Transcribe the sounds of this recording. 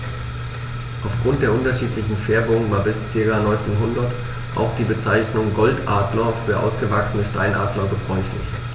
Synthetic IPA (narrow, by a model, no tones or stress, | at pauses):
ʔaʊfɡ̥ʁʊntd̥eːɐʔʊntɐʃiːtlɪçn̩fɛɐbʊŋvaːɐbɪst͡sɪɐkaːnɔʏnt͡seːnɦʊndɐt | ʔa̰ʊxd̥iːbət͡saɪçnʊŋɡɔltʔaːdlɐfyːɐʔa̰ʊsɡ̥əvaksənəʃta̰ɪnʔa̰ːdlɐɡəbʁɔʏçlɪ̰ç